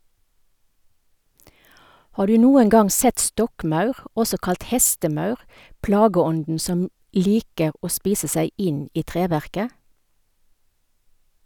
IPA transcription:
ˈhɑː ˈdʉː ˈnuːəŋ ˈɡɑŋ ˈsɛt ˈstɔkˌmɑʉʁ ˈɔsɔ ˈkɑlt ˈhɛstəˌmɑʉʁ ˈplɑːɡəˌɔndn̩ ˈsɔm ˈliːkə ˈoː ˈspiːsə ˈsæɪ ˈɪn ˈiː ˈtʁeːʋæʁkə

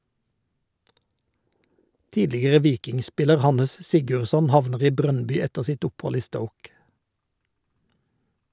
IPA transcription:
ˈtiːdlɪɡəʁə ˈʋiːkɪŋˌspɪləʁ ˈhɑnəs ˈsɪɡʉʁˌsɔn ˈhɑʋnəʁ ˈiː ˈbʁœnˌbʏ ˈɛtəʁ ˈsɪt ˈʊpˌhɔl ˈiː ˈstəʊk

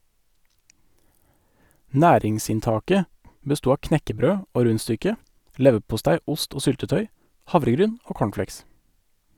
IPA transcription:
ˈnæːɾɪŋsɪnˌtɑːkə bəˈstuː ˈɑː ˈknɛkəˌbɾøː ˈoː ˈɾʉnˌstʏkə ˈlɛʋəpʊˌstæɪ ˈʊst ˈoː ˈsʏltəˌtœʏ ˈhɑʋɾəˌɡɾyːn ˈoː ˈkoːɳˌfleɪks

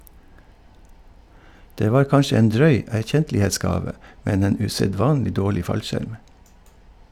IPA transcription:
ˈdeː ˈʋɑːɾ ˈkɑnʃə ˈeːn ˈdɾœʏ æɾˈçɛntlɪeːˌsɡɑːʋə ˈmɛn ˈeːn ʉsɛˈdʋɑːnlɪ ˈdoːɭɪ ˈfɑlʃæɾm

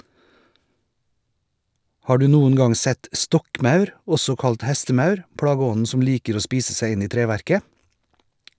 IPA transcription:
ˈhɑː ˈɖʉː ˈnuːən ˈɡɑŋ ˈsɛt ˈstɔkˌmɑʉɾ ˈɔsɔ ˈkɑlt ˈhæstəˌmɑʉɾ ˈpɽɑːɡəˌɔnn̩ ˈsɔm ˈliːkəɾ ˈoː ˈspiːsə ˈsæɪ ˈɪn ˈiː ˈtɾeːˌʋæɾkə

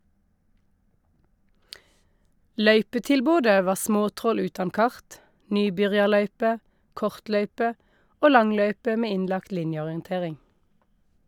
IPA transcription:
ˈlœʏpətɪlˌboːdə ˈʋɑː ˈsmoːˌtʁɔl ˈʉːtɑn ˈkɑʁt ˈnyːˌbʏʁjɑˌlœʏpə ˈkɔʁtˌlœʏpə ˈoː ˈlɑŋˌlœʏpə ˈmeː ˈɪnlɑkt ˈlɪnjəɔʁɪənˌteːʁɪŋ

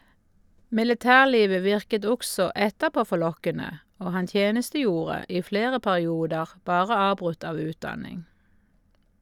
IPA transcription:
mɪləˈtæːʁˌliːʋə ˈʋɪʁkət ˈɔɡsɔ ˈɛtəˌpoː fɔˈlɔkənə ˈoː ˈhɑn ˈtjeːnəstəˌjuːʁə ˈiː ˈfleːʁə pæʁɪˈuːdəʁ ˈbɑːʁə ˈɑːbʁʉt ˈɑːʋ ˈʉːtˌdɑnɪŋ

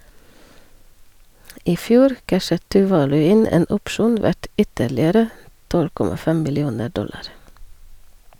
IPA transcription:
ˈiː ˈfjuːɾ ˈkæʃət tʉːˈʋɑːlʉ ˈɪn ˈeːn ˈʊpʃuːn ˈʋæʈ ˈʏtəɾlɪəɾə ˈtɔl ˈkɔmɑ ˈfɛm mɪlɪˈuːnə ˈɖɔlɑɾ

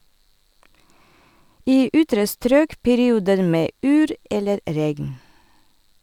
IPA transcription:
ˈiː ˈʔʏtɾə ˈstɾøːk pɛɾɪˈuːdəɾ ˈmeː ˈʔyːɾ ˈɛləɾ ˈɾɛɡn

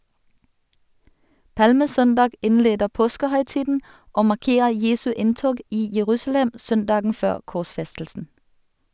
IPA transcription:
ˈpɑlməˌsœndɑːɡ ˈɪnˌleːdə ˈpoːskəhœʏˌtiːdn̩ ˈoː mɑʁˈkeːə ˈjeːsʉ ˈɪntoːɡ ˈiː jəˈʁʉːsl̩ɛm ˈsœnˌdɑːɡŋ̍ ˈføːʁ kɔʁˈsfɛstl̩sn̩

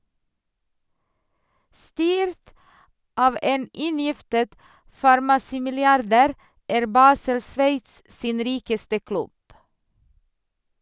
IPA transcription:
ˈstyːɾt ˈɑːʋ ˈʔeːn ˈʔɪnjɪftət fɑɾmɑˈsiːmɪlɪˌɑɾdæːɾ ˈæːɾ ˈbɑːsəl ˈsʋeɪts ˈsiːn ˈɾiːkəstə ˈklʉb

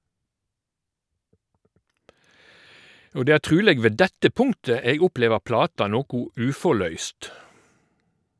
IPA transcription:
ˈoː ˈdeː ˈæː ˈtʁʉːleːɡ ˈʋeː ˈdɛtə ˈpʊŋtə ˈeːɡ ˈʊˌpleːʋəʁ ˈplɑːtɑ ˈnoːkʊ ˈʉːfɔʁˌlœʏst

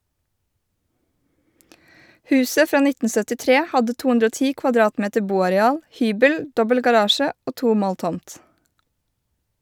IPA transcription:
ˈhʉːsə ˈfɾɑː ˈnɪtn̩ sœtɪˈtɾeː ˈhɑdə ˈtuː ˈʉndɾə ˈoː ˈtiː kʋɑˈdɾɑːtˌmeːtə ˈbuːɑɾɛˌɑːl ˈhyːbəl ˈdɔbəl ɡɑˈɾɑːʃə ˈoː ˈtuː ˈmoːl ˈtɔmt

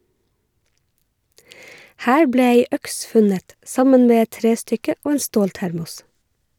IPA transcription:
ˈhæːɹ ˈbɽeː ˈeɪ ˈœks ˈfʉnət ˈʔsɑmən ˈmeː ˈɛt ˈtɾeːˌstʏkə ˈʔoː ˈeːn ˈstoːlˌtæɾmʊs

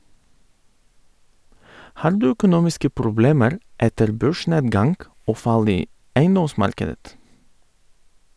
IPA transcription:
ˈhɑːɾ ˈdʉː œkʊˈnuːmɪskə pɾʊˈbleːməɾ ˈɛtəɾ ˈbøːˌʃɳeːdɡɑŋɡ ˈoː ˈfɑl ˈiː ˈæɪˌnɔˌsmɑɾkədət

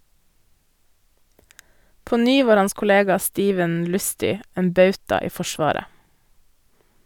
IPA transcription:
ˈpoː ˈnyː ˈʋɑːɾ ˈɑns kʊˈleːɡɑ ˈstiːʋən ˈlʉstʏ ˈeːn ˈbɑʉtɑ ˈiː ˈfɔʃʋɑːɾə

